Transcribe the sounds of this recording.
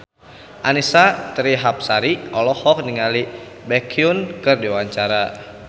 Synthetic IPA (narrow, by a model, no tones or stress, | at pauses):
ʔanisat̪ɾiɦap̚saɾiɔlɔhɔk̚niŋali | bɛkʰiunkɨrdiwaɲt͡ʃaɾa